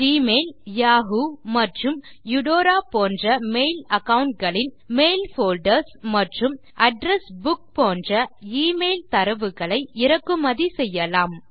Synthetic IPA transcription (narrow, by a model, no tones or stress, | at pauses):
d͡ʒiːmeːljaːɣumɐʈrɯm | jʊɽoːɾaːpoːndrɐmeːlɐkɐʋʊɳʈ̚ɡɐɭɪn | meːlfoːlɖɐɾsmɐʈrɯm | ʔɐɖɾɛsbʊk̚poːndrɐiːmeːlt̪ɐɾɐʋɯɣɐɭɐɪɪɾɐkːɯmɐðisɛjːɐlaːm